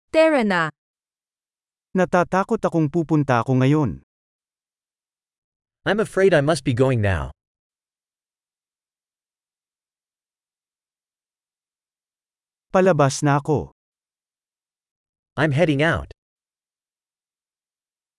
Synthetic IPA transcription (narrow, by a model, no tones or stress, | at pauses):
t̪ɛɹɐna | nɐt̪aːt̪aːko̞t̪ɐko̞ŋpuːpʊnt̪ɐʔɐko̞ŋɐjo̞n | ʔãɪ̃məfɹeɪɾaɪmʌst̚b̥iɡoʊɪ̃ŋna̰ʊ | pɐlɐbasnɐʔɐko̞ | ʔãɪ̃mɦɛɾɪ̃ŋaʊt